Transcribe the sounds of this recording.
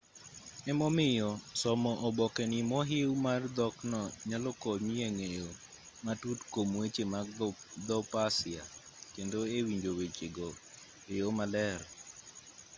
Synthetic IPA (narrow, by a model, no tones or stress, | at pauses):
ɛmɔmɪjɔsɔmɔʔɔbɔkɛnɪmɔɦewmard̪ɔknɔɲalɔkɔmieŋejo | matutkomwet͡ʃemad̪ɔpasɪakendoewiɲd͡ʒowet͡ʃeɡɔ | ejomalɛɾ